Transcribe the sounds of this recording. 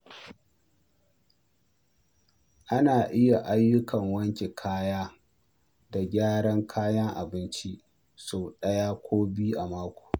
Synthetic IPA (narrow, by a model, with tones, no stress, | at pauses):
ʔa˦naː˨ʔɪ˦ja˨ʔa˦jːʊ˦kɐ˨ŋwɐ˦ŋkʲe˨kʰaː˦jaː˦ | da˨ɡʲaː˦ɽɐ˦ŋkʰaː˦jɐ˦ŋʔa̰˨bɪ˦nt͡ʃi˦ | soː˨ɗɐ˦jaː˦kʷoː˦biː˦ʔa˨maː˦kʷo̥ː˨